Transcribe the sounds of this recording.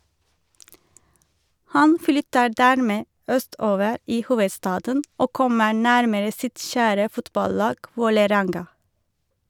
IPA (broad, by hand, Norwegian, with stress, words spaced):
ˈhɑn ˈflʏtə ˈɖæːɾmeː ˈœˌstoːʋəɾ ˈiː ˈhuːʋəˌstɑːdən ˈoː ˈkɔmə ˈɳæɾməɾə ˈsɪt ˈçæːɾə ˈfʊtbɑˌlɑːɡ ˈʋoːləˌɾɛŋɡɑ